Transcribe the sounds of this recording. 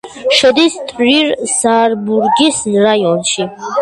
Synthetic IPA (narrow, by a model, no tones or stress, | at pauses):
ʃəd̪ist̪ʰɾiɾsaɾbuɾɡisnɾajɔnʃi